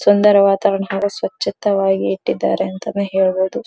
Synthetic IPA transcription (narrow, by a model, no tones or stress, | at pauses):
sund̪ɐɾɐʋaːt̪aːɾɐɳɐɦaːɡɐsʋɐt͡ʃːit̪ɐʋaːɡiːʈːid̪ːa̰ːɾeɐnt̪ɐnːeɦeːɭɐboːd̪u